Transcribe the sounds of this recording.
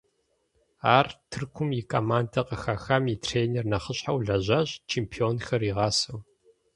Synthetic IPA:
aːrtʰɨrkʷʰʊmjɪkʰʼɐmaːndɐqəxaxɐmitʰreːnernɐχəɕħawɮɐʑɐʑt͡ʃʰeːmpʰioːnxɐriːʁɑːsɐw

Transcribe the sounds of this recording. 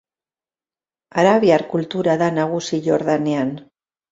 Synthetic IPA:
aɾaβiaɾkult̪uɾaðanaɣ̞usiʎoɾðanean

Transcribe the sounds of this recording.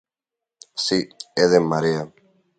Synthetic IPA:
sieðemɐɾiɐ

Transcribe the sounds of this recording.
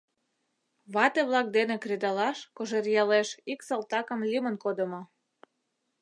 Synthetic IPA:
βɑt̪eβlɑk̚d̪enekɾed̪ɑlɑʃkoʒerjɑleʃiksɑlt̪ɑkə̆mlʲimənkod̪ə̆mo

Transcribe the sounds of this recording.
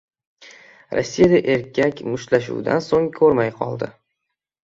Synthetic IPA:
ɾɒ̰sːijad̪aʔe̞ɾkʲʰakʲmʊʃlaʃ̬ṵwd̪a̰nsoŋkʰɵɾmajqʰɒ̰lˠd̪ɪ

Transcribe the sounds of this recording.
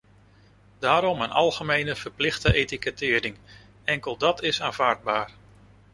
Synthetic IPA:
daːɾɔmənʔɑ̰lˠχəmejnəv̥ərplɪχtəʔejtikətɪːɾɪŋ | ɛŋkəlˠdɑtʰɪsaːnv̥aːɹd̚baːr

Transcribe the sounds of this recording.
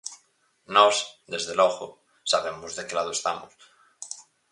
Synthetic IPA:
nɔsd̪ezðelɔɣo̰ | saβemozðekelað̞oest̪amos

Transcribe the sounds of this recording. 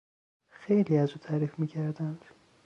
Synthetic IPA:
xejliːæzuːt̪ʰæːɾiːfmiːcʰæɾd̪ænd̪̥

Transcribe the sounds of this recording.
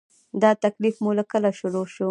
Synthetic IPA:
d̪ɑt̪aklifmulakəlaʃʊɾoʃu

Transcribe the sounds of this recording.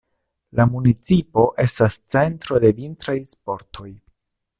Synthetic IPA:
lamunit͡sipo̞ʔe̞stast͡se̞ntɾo̞de̞vintɾajspo̞ɾtʰo̞j

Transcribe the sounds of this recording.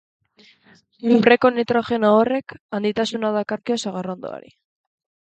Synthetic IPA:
upɾeko̞nit̪ɾoxe̞noore̞kand̪it̪asunaðakaɾkeosaɣ̞arond̪o̰a̰ɾḭ

